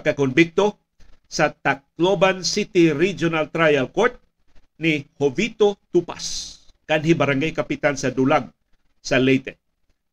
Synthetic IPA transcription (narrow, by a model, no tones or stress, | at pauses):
kɐkonbɪk̚t̪o | sɐt̪ak̚lobansit̪iɾid͡ʒonalt̪ɾajalkɔɹt̪̚ | nihovit̪ot̪upa̰skanɦibɐɾaŋɡajkɐpɪt̪ansɐd̪ulaɡ̚ | sɐlɛjt̪ɛ